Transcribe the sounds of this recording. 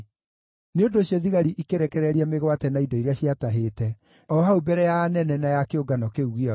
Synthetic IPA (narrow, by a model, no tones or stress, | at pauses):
neondoːɕjɔðiɣaɾiʔikeɾɛkɛɾɛɾiameɣwatɛnaidɔiɾeaɕiataɦeːtɛ | ɔɦaubɛɾɛjaːnɛnɛnajakeoɡanɔkeuɣeɔ